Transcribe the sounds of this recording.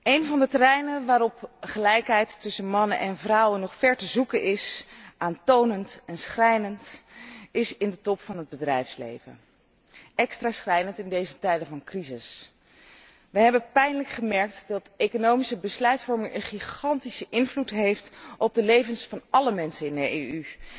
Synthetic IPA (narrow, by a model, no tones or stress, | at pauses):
ejnvɑndətərɛjnəʋaːɾɔpχəlɛjkɦɛjtːʏsənmɑnə̰nʔɛnvrʌwənːɔχfɛɹtəzukənʔɪsʔaːntownəntɛnsχrɛjnənt | ɪsɪndətɔpfɑnɦəd̚bədrɛjfslḛjvə̰n | ɛkstraːsχrɛjnəntɪndejzətɛjdəvɑnkrizɪs | ʋəɦɛbəpɛjnələkχəmɛɹk̚tdɑtejkonowmisəbəslœɥtfɔɹmɪŋənχiχɑntisəʔɪnvlutɦejftʔɔb̚dəlejvənsfɑnɑləmɛnsənɪndəejy